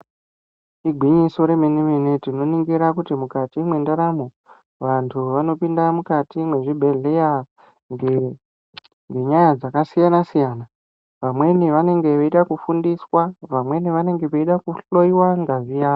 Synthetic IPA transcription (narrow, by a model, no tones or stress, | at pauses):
iɡʱwiɲiso̞ɾe̞meniminetino̞niŋɡiɾakutimukatimwe̞ndaɾamo | ʋantʰuʋano̞pindamukatimwe̞ʐibʱe̞ɮe̞ja | ŋɡe | ŋɡeɲajad͡zakasijanasijaːna | ʋamwe̞niʋane̞ŋɡe̞ʋeiɗakufundiswaʋamwe̞niʋane̞ŋɡe̞ʋeiɗakuɬo̞iwaŋɡazijaː